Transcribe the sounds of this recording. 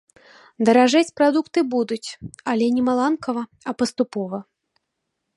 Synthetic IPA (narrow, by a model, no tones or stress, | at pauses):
d̪ɐɾaʐat͡sʲpɾad̪ukt̪ɨbud̪ut͡sʲɐlʲɛnʲɛmalˠankɐvɐ | ɐpɐst̪upɔvɐ